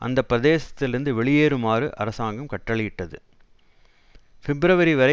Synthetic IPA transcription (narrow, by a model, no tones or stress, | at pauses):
ʔɐ̰nd̪ɐpːɪɾɐðeːsɐ̥t̪ːɪlɪɾɯnd̪ɯʋɛɭɪjeːɾɯmaːɾɯʔɐɾɐsaːŋɡɐmkɐʈːɐɭɪjɪʈːɐðɯ̰ | fɛbɾɐʋɐɾiʋɐɾɐ